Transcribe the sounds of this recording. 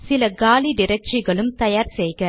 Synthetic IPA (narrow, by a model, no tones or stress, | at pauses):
sɪlɐɡaːliɖɪɾɐk̚t͡ʃɪɣɐɭɯmt̪ɐjaːɾsɛjɣɐ